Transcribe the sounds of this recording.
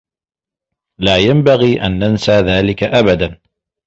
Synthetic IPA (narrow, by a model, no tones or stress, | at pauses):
laːjambaɣiːʔa̰nːansaːðaːlɪkaʔabad̪an